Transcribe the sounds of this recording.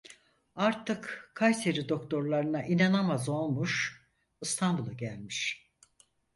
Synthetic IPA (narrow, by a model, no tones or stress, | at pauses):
aɾt̪ʰɯkkʰːajseɾid̪o̞k̚t̪ʰo̞ɾlˠaɾɯnaʔinanamazo̞lˠmuʃ | ɯst̪ʰanbulˠaɟælʲmiʃ